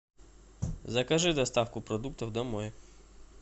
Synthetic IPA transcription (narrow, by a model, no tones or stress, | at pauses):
zɐkɐʒɪd̪ɐst̪ɑfkʊpɾɔd̪ukt̪ɔwd̪ɔmɔjɛ